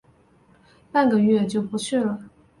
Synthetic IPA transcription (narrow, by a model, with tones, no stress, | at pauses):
pa˥˩nɡə˩ɥɛ˥˧t͡ɕjo˥˩ʊpu˧˥t͡ɕʰy˥˩lə˩